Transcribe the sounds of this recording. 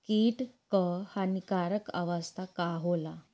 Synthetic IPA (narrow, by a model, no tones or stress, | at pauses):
kiːʈkəhanikaɾəka̰ʋast̪ʰakaɦola